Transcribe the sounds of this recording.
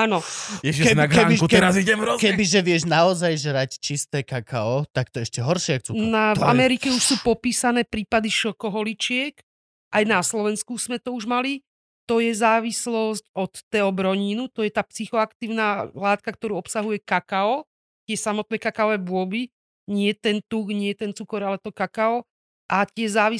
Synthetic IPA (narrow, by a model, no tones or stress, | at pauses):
aːnɔɛkɛnɡkɛbitkɛɾaziɛmɾɔkɛbiʒɛʋɪɛʒnaɔzajʒɾact͡ʃist̪ɛːkakʰa̰ɔt̪ak̚t̪ɔɛʃcɛɦɔɾʃɪakxt͡suːnava̰mɛɾikɛuʃsuːpɔpiːsanɛːpɾiːpad̪iʃɔkɔɦɔlit͡ʃɪɛk | ʔajnaslɔʋɛnskuz̥mɛt̪ɔuʒmali | t̪ɔjɛzaːʋislɔscɔt̪ːɛɔbɾɔɲinut̪ɔjɛt̪aːpsixɔakt̪iːʊnalaːt̪̚kak̚t̪ɔɾuːɔpsaɦujɛkakaɔ | t̪ɪɛsamɔt̪̚nɛːkakaɔʋɛbʊɔbi | ɲɪɛt̪ɛnt̪uːxɲɪɛt̪ɛnt͡sukɔɾalɛt̪ɔkakaɔ | ʔat̪ɪɛzaːʋi